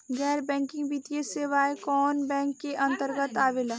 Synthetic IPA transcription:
ɡɛːɾbɛ̃ːŋkɪ̃ŋɡbit̪ijeseːʋaːekɔːnbɛ̃ːŋkːeʔɐ̃nt̪əɾɡət̪aːʋela

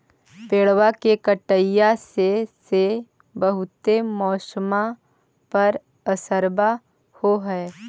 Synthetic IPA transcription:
peːɭwakekəʈəjasese | bəɦʊt̪emɔːsəma | pɐɾ | əsəɾba | hoɦɛː

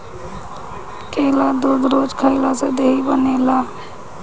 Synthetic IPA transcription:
keːlad̪od̪ɾod͡ʒkʰəɪlased̪eːibənelaː

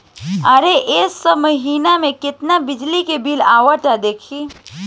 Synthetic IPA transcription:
ɐɾeʔeːsɐbmɐɦiːnamẽkɪt̪nabɪd͡ʒlikebʱilaːʋəʈad̪eːkʰiː

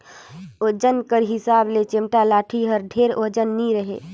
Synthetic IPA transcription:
od͡ʒənkəɾɦɪsaːblet͡ʃɪmʈalaːʈʰiɦəɾɖʱeːɾod͡ʒənːiɾəɦḛː

